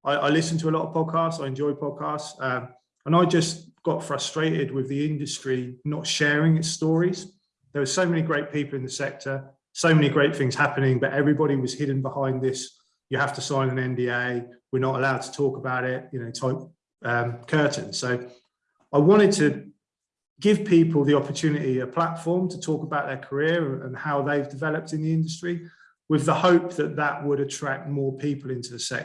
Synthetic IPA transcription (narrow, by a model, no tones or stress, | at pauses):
ʔaɪʔa̰ɪlɪsə̃ntʰəəlɒtəv̥pʰɒd̚kʰɑˑstsaɪɛ̃nd͡ʒɔɪd̚pʰɒd̚kʰɑˑstsʌ̃m | ə̃ñaɪd͡ʒʌsɡ̥ɒtfɹʌstɹ̥eɪʔɪd̚wɪðiɪ̃ndəstɹ̥inətʃɛːɹɪ̃ŋɪtstɔːɹiz̥ | ðəwəz̥səʊmɛniɡɹeɪʔ̚pʰiˑpl̩ˠɪ̃nðəsɛk̚tʰə | səʊmɛniɡɹeɪt̪̚θɪ̃ŋz̥hapənɪ̃ŋbʌʔɛvɹibɒɾiwɒz̥hɪdⁿn̩bɪhãɪ̃nðɪs | jəhaftəsãɪ̃nə̃nɛ̃nbiːeɪwənətəlaʊd̚tʰə̥tʰɔˑkəbaʊɾɪʔjənəʊtʰaɪʊp̚ | ʌ̃mkʰɜˑʔn̩səʊ | aɪwɒ̃ñtɪd̚tʰə | ɡɪv̥pʰiˑpəlˠðiɒpətʰʉːnɪtiəpʰl̥atfɔːmtʰətʰɔˑkəbaʊʔ̪ðə˞kʰəɹɪɹə̃nə̰̃nhaʊðeɪvdɪvɛləp̚tɪ̃nðiɪ̃ndəstɹ̥i | wɪðəhəʊp̚ðəʔ̪ðəʔwəɾətʰɹ̥ak̚tmɔːpʰiˑpəlˠɪ̃ntuðəsɛ̰